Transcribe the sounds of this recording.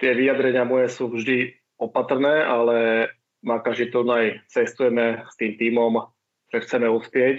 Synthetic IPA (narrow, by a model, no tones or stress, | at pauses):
t̪ɪɛʋijad̪ɾɛɲɪamɔjɛsuːvʒd̪i | ɔpat̪rnɛːʔalɛ | makaʒit̪unajt͡sɛst̪ujɛmɛst̪iːmt̪iːmɔm | ʒ̥ɛxt͡sɛmɛuspɪɛc